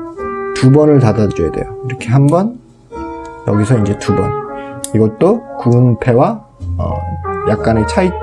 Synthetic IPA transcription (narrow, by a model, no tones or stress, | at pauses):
tubʌnɯɭtadad͡ʑʌjede̞̰joiɾʌkʰe̞ɦambʌn | jʌɡisʰʌind͡ʑe̞tubʌ̰niɡʌt͈okunpʰe̞wa | ʌ̰jak̚k͈anet͡ɕʰai